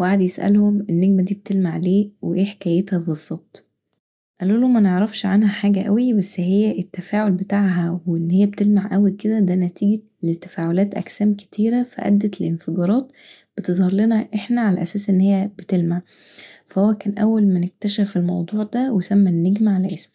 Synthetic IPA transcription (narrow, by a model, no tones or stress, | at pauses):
weʔaʕd̪jesʔæ̰lhomenːeɡ̚mæd̪iːbet̪elmaʕleːweʔeːħe̥kæːjet̪hæbezˤːɑb̥̚t̪ˤ | ʔæluːlumæneʕɾˤɑfʃʕanhæħaːɡæʔæwibæsːhejːæʔet̪ːæfæːʕolbet̪aːʕɦæweenːhejːæbet̪elmaʕʔæwiked̪æd̪ænæt̪iːɡæ | let̪ːæ̥fæːʔolæːt̪ʔæ̰ksæːmke̥t̪ʰiːɾæfæ̰ʔæ̰d̪ːæt̪lʔenfed̪ɑːɾˤɑːt̪ | b̥et̪ezˤhɑɾˤlenæʔeħnæʕalæ̰ʔæsæːsʔenːhejːæb̥et̪elmaʕ | fæhowːækæːnʔæ̰wːælmænek̚t̪æʃæfelmɑwd̪ˤuːʕd̪æwejsæmːænːeɡmæʕlæʔesmæ